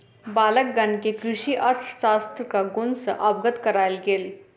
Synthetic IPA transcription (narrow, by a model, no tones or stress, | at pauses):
baːlək̚ɡɐnkekɾʊʃiʔɐɾt̪ʰsaːst̪ɾkaɡʊnsʔɐb̚ɡət̪kɐɾaːelɡeːl